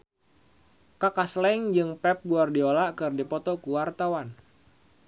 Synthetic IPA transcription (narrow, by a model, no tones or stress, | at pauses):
kakaslɛŋd͡ʒɨŋpɛp̚ɡuardiolaʔkɨrdipɔt̪ɔkuwart̪awan